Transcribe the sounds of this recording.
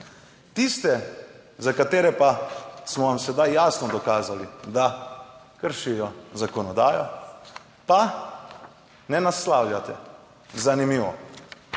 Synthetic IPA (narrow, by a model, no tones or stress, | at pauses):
t̪ist̪ɛ | zakat̪eːɾɛpasmɔʋamsɛd̪ajːaːsnɔd̪ɔkaːzalid̪akəɾʃijɔzakɔnɔd̪aːjɔ | pa | nɛnaslaːwljʲat̪ɛ̰ | zanimiːʋɔ̰